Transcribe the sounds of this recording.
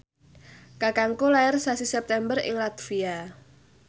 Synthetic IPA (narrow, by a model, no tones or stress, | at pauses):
kakaŋkolaɪrsasisɛp̚t̪ɛmbərɪ̰ŋlat̪fia